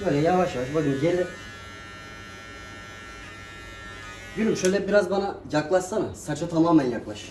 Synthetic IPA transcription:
ølʲɛjavaʃjavaʃbod̪ɯmɟelʲɪ | ɟyɾymʃøjlʲɛbiɾazbanajaklˠaʃsanɯsat͡ʃʰat̪ʰamaːmænjaklˠaʃɯ

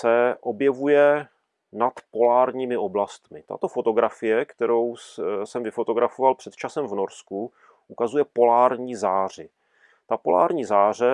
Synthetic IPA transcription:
sɛʔo̞bjɛvujɛ | nat̪po̞laːɾɲiːmɪʔo̞blast̪mɪt̪a̰t̪o̞fo̞t̪o̞ɡɾafɪjɛkt̪ɛɾo̞wsɛmvɪfo̞t̪o̞ɡɾafo̞valpr̝̥ɛt̪t͡ʃasɛmvno̞ɾsku | ʔukazujɛpo̞laːɾɲiːzaːr̝ɪ | t̪apo̞̰la̰ːɾɲiːzaːrɛ

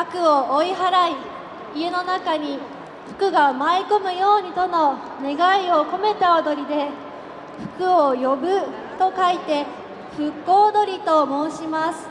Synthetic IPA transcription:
akɯ̟o̞ʔoiɦaɾai | ieno̞nakaɲ̟i | ɸɯ̟̥kɯ̟ɡamaiko̞mɯ̟jo̞ːɲ̟it̪o̞no̞ | ne̞ɡaio̞ko̞me̞t̪aod̪o̞ɾʲid̪e̞ | ɸɯ̟̥kɯ̟o̞jo̞bɯ̟ | t̪o̞kait̪e̞ | ɸɯ̟kːo̞ːd̪o̞ɾʲit̪o̞mo̞ːɕimasɨ̥

